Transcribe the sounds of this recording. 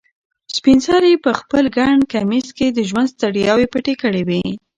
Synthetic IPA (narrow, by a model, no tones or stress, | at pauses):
spinsɑɾepəxpəlɡaɳkamisked̪əʒwand̪st̪əɽjɑwepəʈekəɽewe